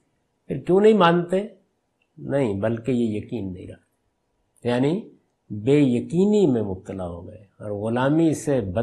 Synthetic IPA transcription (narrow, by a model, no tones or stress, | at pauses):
pʰɪɾkjũːnɐɦĩmãːnt̪e | nɐɦĩbɐlkejejɐkiːnːɐɦḭ̃ɾɐ̰k̚ʰt̪e | jaːni | beːjɐkiːnimẽmʊb̚t̪əlaɦo̰ːɡeɔːɾɣʊlaːmisebɐ